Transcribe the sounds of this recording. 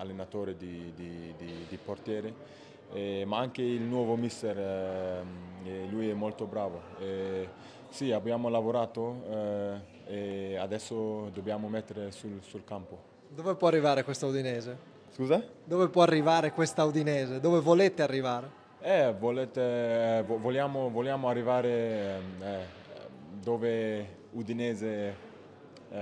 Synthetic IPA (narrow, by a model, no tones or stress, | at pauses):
alːenat̪oːɾed̪id̪id̪id̪iport̪jɛːɾe | emaaŋkeilnwɔːvomist̪eɾ | elujɛmːolt̪obɾaːvoe | siabjaːmolavoɾaːt̪o | ead̪ɛsːod̪objaːmomɛt̪ːeɾesulsulkampo | d̪oːvepwɔarːivaːɾekwest̪aud̪inɛːze | skuːza | d̪ovepwɔarːivaːɾekwest̪aud̪inɛːzed̪oːvevoleːt̪earːivaːɾe | ɛvolet̪evovoljaːmovoljaːmoarːivaːɾe | ɛ | d̪oːve | ud̪inɛːze